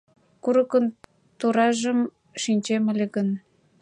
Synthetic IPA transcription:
kuɾəkən | t̪uɾɑʒəm | ʃinʲt͡ɕemə̆lʲeɣən

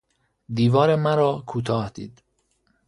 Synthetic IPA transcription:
d̪iːvɒːɾemæɾɒːkʰuːt̪ʰɒːhd̪ḭːd̪̥

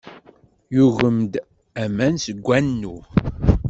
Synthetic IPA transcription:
juʝəmd̪ | æmænsəɡʷːænːu

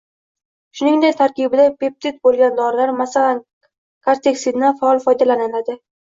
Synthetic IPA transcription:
ʃʊnɪŋd̪ek̚ʲt̪ʰaɾkʲibɪd̪apep̚t̪ʰɪt̪̚bolˠɡʲand̪ɒɾɪlaɾmasalan | kʰaɾt̪ʰeksɪnafaɒlˠfɒjd̪alananad̪ɪ

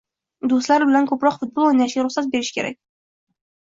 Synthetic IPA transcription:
d̪ost̪læɾbɪlænkʰɵpɾɒqfʊt̪̚bolˠonæʃeɾʊχsat̪̚beɾɪʃkʲʰeɾæ̰k̚ʲ

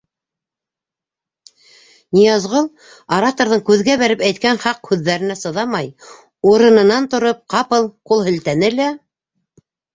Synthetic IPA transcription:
nijɑzʁɤlˠ | ɐɾat̪oɾðɤɴkʉðɡæβæɾɘpæjt̪̚kænχɑqhʉðːæɾɘ̆næsɤ̆ðɑmɑj | uɾɤ̆nɤ̆nɑnt̪ŏɾɤp̚qɑpɤlˠqulˠhɵ̆lt̪ænɘlæ

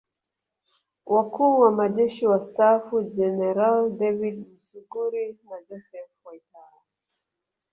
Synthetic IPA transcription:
wʔakuːwamaʄɛʃiwastafud͡ʒɛnɛɾaldɛvidm̩suɡuɾinad͡ʒɔsɛfwaitaɾa

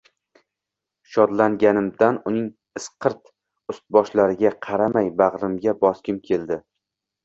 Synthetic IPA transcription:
ʃɒd̪laŋɡʲanɪmd̪anʊnɪŋ | ɨsqʰɨɾt̪ | ʊst̪̚bɒʃlaɾɪɡʲaqʰɑɾamajbaʁɾɪmɡʲabɒskʲɪmkʲʰe̞ld̪ɪ

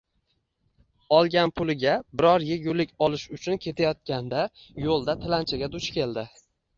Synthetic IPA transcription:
ɒlˠɡʲanpʰʊlɪɡʲabɪɾɒɾjeɡʲʊlɪkʲɒlɪʃʊt͡ʃʰʊnkʲʰe̞t̪ʰajɒt̪̚kʲand̪ajolˠd̪at̪ʰɪlant͡ʃʰaɡʲad̪ʊt͡ʃkʲe̞ld̪ɪ

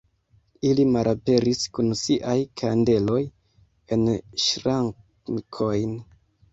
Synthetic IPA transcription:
ilimalʔape̞ɾiskunsiʔajkʰande̞lo̞j | e̞nʃɾaŋ | kʰo̞jn

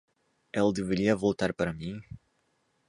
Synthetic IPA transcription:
ɛlɐd̪eveɾiɐvowt̪aɾpaɾɐmĩ

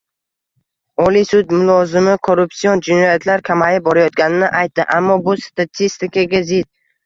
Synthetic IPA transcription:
ɒlisʊd̪mʊlˠɒzɪmɪkʰo̞ɾupsiɒnd͡ʒɪnɒjat̪ʰlaɾkʲʰamajɪp̚bɒɾajɒt̪̚ɡʲanɪnɪʔajt̪ːɪʔamːɒbʊst̪at̪ʰist̪ɪkaɡʲazɪd̪̚

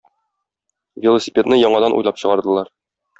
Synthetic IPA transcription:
vʲɪlˠosʲipʲet̪nɘjɒɴɑd̪ɑnʔṵjlˠɑpɕɤ̆ʁɑɾd̪ɤ̆lˠɑɾ

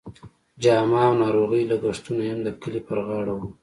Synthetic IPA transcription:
d͡ʒɑːmɑwnɑːɾoɣijlaɡaʂt̪unajamd̪əkəlipəɾɣɑːɽawu

